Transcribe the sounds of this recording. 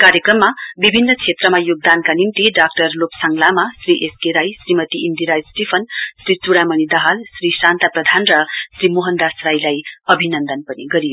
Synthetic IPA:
kaɾjekrʌmːabibʱinːʌt͡sʰet̪rʌmajoɡ̚d̪ankanimt̪iɖak̚ʈʌrlopsʌŋlamasriʔeskeɾajsrimʌt̪iʔind̪iɾajsʈipʰʌnsɾit͡suɽamʌnid̪ʌɦalsrisant̪aprʌd̪ʱanrʌsrimoɦʌnd̪asrajlajʌbʱinʌnd̪ʌnpʌniɡʌɾijo

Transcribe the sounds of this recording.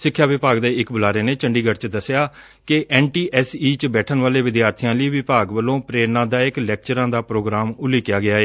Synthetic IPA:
sɪkʰːjaːʋɪpaːɡd̪eːɪkbʊlaːɾeːneːt͡ʃəɳɖiːɡəʈt͡ʃd̪əsːɪjaː | kɪʔɛːnʈiːʔɛːsiːt͡ʃbɛːʈʰənʋaːleːʋɪd̪jaːɾt̪ʰijãːliːʋɪpaːɡʋəlːõːpɾeːɾnãːd̪aːɪklɛːk̚t͡ʃəɾãːd̪aːpɾoːɡɾaːmʊlːiːkɪjaːɡɪaːeː

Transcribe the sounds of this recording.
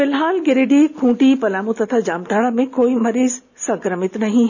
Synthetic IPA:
fɪlɦaːlɡɪɾeɖikʰũːʈipɐlaːmũt̪ɐt̪ʰad͡ʑaːmʈaːɽəmẽkoːimɐɾiːz | sɐ̃ŋkɾəmɪt̪nɐɦĩ

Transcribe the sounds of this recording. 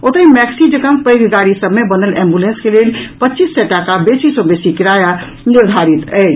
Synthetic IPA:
ot̪əimɛksid͡ʒəkəmpəjɡʱɡaɾisəbmebənəlɛ̃mbulenskelelpətːt͡ʃisːɛʈakabesisɔbesikiɾaja | niɾd̪ʱaɾit̪əɪt͡ʃ

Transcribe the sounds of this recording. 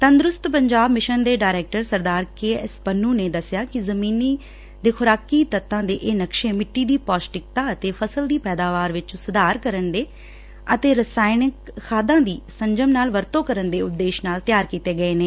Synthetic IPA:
t̪ənd̪ɾʊst̪pəɲd͡ʒaːbmɪʃənd̪eːɖaːɾɛːk̚ʈəɾsəɾd̪aːɾkeːɛspənːũːneːd̪əsjaːkɪzəmiːniː | d̪eːkʰʊɾaːkiːt̪ət̪ːãːd̪eːʔeːnəkʃẽːmɪʈːiːd̪iːpɔːsʈɪk̚t̪ãːət̪eːpʰəsəld̪iːpɛːd̪aːʋaːɾʋɪt͡ʃsʊd̪aːɾkəɾənd̪eː | ət̪eːɾəsaːɪnɪkːʰaːd̪ãːd̪iːsəɲd͡ʒəmnaːlʋəɾt̪õːkəɾənd̪eːʊt̪ːeːʃnaːlt̪jaːɾkiːt̪eːɡəeːneː

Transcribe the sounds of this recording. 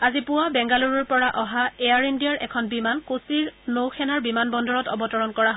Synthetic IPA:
azipʊwabɛŋɡaluɹɔɹpɔɹaʔɔɦaeaɹindijaɹʔɛkʰɔnbimankusiɹnowxʰɛnaɹbimanbɔndʱɔɹɔtɔ̰bɔtɔɹɔnkɔɹaɦ

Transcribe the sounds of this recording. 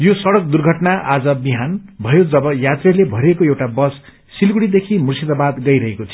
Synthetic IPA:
josʌɽʌk̚d̪urɡʱʌʈnaʔad͡zʌbiɦanbʱʌjod͡zʌbʌjat̪relebʱʌɾekoewʈabʌsː | ilɡuɽid̪ekʰimursid̪abad̪ɡʌjɾʌɦekot͡sʰʌ

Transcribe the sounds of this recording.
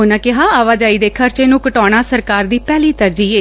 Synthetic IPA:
ʊnãːkɪɦãːaːʋaːd͡ʒaːiːd̪eːkʰəɾt͡ʃeːnũːkəʈɔːɽ̃aːsəɾkaːɾd̪iːpɛːliːt̪əɾd͡ʒiːeː

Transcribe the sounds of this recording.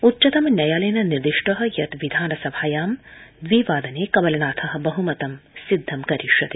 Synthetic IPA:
utːt͡ʃɐt̪ɐmnʲɐjaːleːnɐniɾd̪iʂʈɐɦɐ̆jɐt̪ʋid̪ʱaːnɐsɐbʱaːjaːmd̪ʋiːʋaːd̪ɐneːkɐmɐlɐnaːt̪ʰɐɦɐ̆bɐɦumɐt̪ɐmsid̪ʱːɐmkɐɾiʃɐt̪e̥

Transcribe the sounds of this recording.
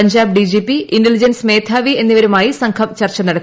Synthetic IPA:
ɐɲd͡ʑaːb̚ɖid͡ʑiːpːiʔinɖɐlid͡ʑɐnsmeːt̪ʰaːʋie̞nːiʋɐɾumaːjisɐŋkʰɐmt͡ɕɐrt͡ɕːɐnɐɽɐt̪ː

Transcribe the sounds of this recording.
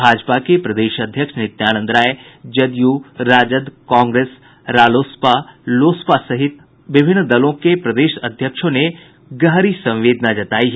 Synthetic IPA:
bʱaːd͡ʒpakʰepɾɐd̪eːʃɐd̪ʱjəkʃnɪt̪jaːɽ̃ə̃nd̪ɾaːed͡ʑɐd̪ijuːɾaːd͡ʑəd̪kãːŋɡɾeːs | ɾaːloːspaloːspasɐɦɪt̪ | ʋɪbʱɪnd̪ɐlõkepɾɐd̪eːʃɐd̪ʱjəkʃõne | ɡɐɦɾisɐ̃ʋʋeːd̪ʱnad͡ʑɐt̪aːiɦ

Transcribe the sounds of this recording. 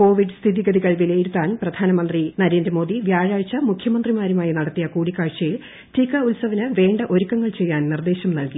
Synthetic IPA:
ko̞ːʋiɖɨst̪ʰiðiɡɐd̪iɣɐɭʋileːjiɾut̪ːaːnprɐd̪̥ʱaːnɐmɐnd̪rinɐɾe̞ːndrɐmo̞ːd̪iʋjaːɻaːɻt͡ɕːɐmukʰjɐmɐnd̪rimaːɾumaːjinɐɽɐt̪ːijɐkuːɽikːaːɻt͡ɕːɐjil | tikːɐulsɐʋɐnɨʋe̞ːɳɖɐʔo̞ɾukːɐŋːɐɭt͡ɕe̞jːaːnnird̪e̞ːɕɐmnɐlki

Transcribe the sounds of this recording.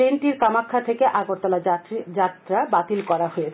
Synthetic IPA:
enʈiɾkamakʰːat̪ʰekeʔaɡoɾt̪ɔlad͡ʑat̪ːɾabat̪ilkɔɾaɦoe

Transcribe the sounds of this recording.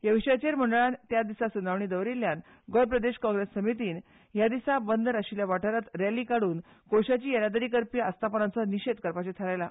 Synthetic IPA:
jəʋiɕjat͡ɕeɾm̤əɳɖəɭant̪jad̪isasunaʋɳiːd̪əʋɾilːjan | ɡoɾpɾəd̪eɕkɔ̃ŋɡɾesːəmit̪iːn | ɦjad̪isabənd̪əɾaɕiljaʋaʈʰəɾat̪ɾjalːiːkaɽuːn | koɕat͡ɕiːjəlad̪əɾikəɾpiast̪ʰapənat͡sɔniɕed̪̚kəɾpat͡ɕet̪ʰəlajla

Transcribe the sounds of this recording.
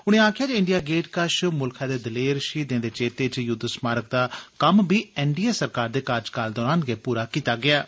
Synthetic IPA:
ʊɽ̃ẽːaːkʰjaːd͡ʒːɪɳɖijaːɡeːʈkaʃmʊlkʰaːd̪eːd̪əleːɾʃiːd̪ẽːd̪eːt͡ʃeːt̪eːt͡ʃjʊd̪smaːɾək̚d̪aːkəmbiːɪɳɖiːaːsəɾkaːɾd̪eːkaːɾd͡ʒkaːld̪ɔːɾaːnɡeːpuːɾaːkiːt̪aːɡɪaː

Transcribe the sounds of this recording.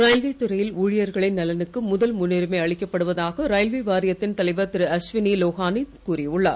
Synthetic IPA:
ɾaːjlʋeːt̪ʊɾɐjɪluːɻɪjɐɾɣɐɭɪnːɐlɐnɯkːɯmʊðɐlmʊnːɪɾɯmɐɪɐɭɪkːɐpːɐɽɯʋɐðaːɣɐɾaːjlʋeʋaːɾɪjɐt̪ːɪnt̪ɐlɐɪʋɐt̪ːɪɾɯɐsʋɪniloːɣaːnikuːɾɪʊɭːa̰ː

